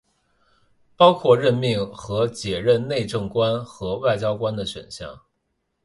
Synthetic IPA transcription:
pɑ˥ʊkʰwɔ˥˧ɻə˥˧nmi˥˩ŋxɤ˧˥t͡ɕjɛ˨˩ɻə˥˧nne˥˧ɪʈ͡ʂɤ˥˩ŋkwa˥nxɤ˧˥wa˥˩ɪt͡ɕjɑ˥ʊkwa˥nd̪ə˨ɕɥɛ̰˨˩nɕjɑ̰˥˩ŋ

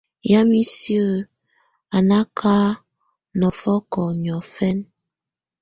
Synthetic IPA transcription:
ja˦mi˦sjə˦ | a˨na˦kʰa˦ | nɔ˨fɔ˦kɔ˨ɲ˨ɔ˨fɛ˦n

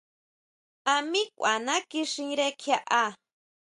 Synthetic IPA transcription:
a˧mĩ˦kʷʔa˨nã˦ki˧ʂĩ˧ɾe˧kʰja˧ʔa˧

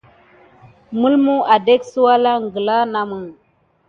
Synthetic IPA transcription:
mu˦lmu˦a˨de˦ksu˦wa˦la˦ŋ˨ɡə˨la˦na˨mə˨ŋ

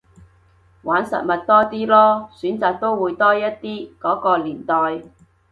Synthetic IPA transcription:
waː˨˥nsɐ̰˨t̚mɐ˨t̚t̪ɔː˥t̪iː˥lɔː˥syː˨˥nt͡saː˨k̚t̪o˥wwuː˨˧jt̪ɔː˥jɐ˥t̚t̪iː˥kɔː˨˥kɔː˧liː˨˩nt̪ɔː˨j

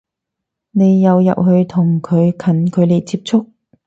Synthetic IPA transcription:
ne˨˧jːɐ˨˧wjɐ̰˨p̚ɦɵ˨˧ɥt̪ʰʊ˨˩ŋkʰɵ˨˧ɥkʰɐ˨˥nkʰɵ˨˧ɥle˨˩jt͡siː˧˥p̚t͡sʰʊ˥k̚

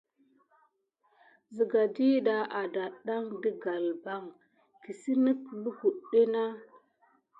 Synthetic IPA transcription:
zi˨ɡa˨di˦ɗa˦ʔa˨da˨ɗa˦ŋdə˦ɡa˨lba˦ŋ | ki˨si˦nə˦klu˦hu˨ɗːe˦na˦

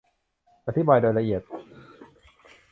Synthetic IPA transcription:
ʔa˧t̪ʰi˦˥baː˧jdoː˧jɾa˧ʔi˨˩ət̪̚

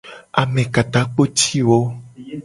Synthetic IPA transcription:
a˨mẽ˨ka˨t̪a˨˦k͡po˦t͡ʃi˦wo˦

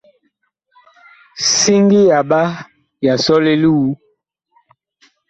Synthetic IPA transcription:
si˦ŋɡi˦ja˨ba˦ | ja˨sɔ˦le˦lu˦u˦

